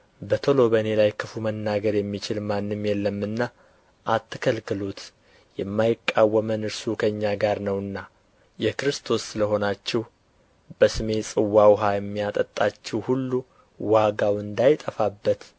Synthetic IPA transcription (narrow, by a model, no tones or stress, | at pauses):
bət̪ʰolo̞βəne̞lajkʰɨfumənːaɡəɾjɛmːit͡ʃɪlmanːɨmjɛlːəmːɨnːa | ʔat̪ːɨkʰəlkɨlut̪ | jɛmːajɪkʼːawːəmənɨɾsukʰəɨɲːaɡaɾnəwɨnːa | jɛkɾɨst̪ʰo̞sːɨləɦo̞nat͡ʃːɛh | b̥əsɨme̞sʼɨwːawɦajɛmːijat̪ʼət̪ʼːat͡ʃːɛwhulːu | waɡawɨnd̪ajt̪ʼəfabːət̪